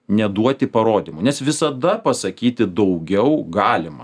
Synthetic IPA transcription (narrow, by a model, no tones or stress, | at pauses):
nʲɛd̪uɔt̪ʲɪpɐɾoːd̪ʲimʊnʲɛsʋʲɪsɐd̪ɐpɐsɐkʲiːt̪ʲɪd̪ɐʊɡʲɛʊɡɑːlʲɪmɐ̰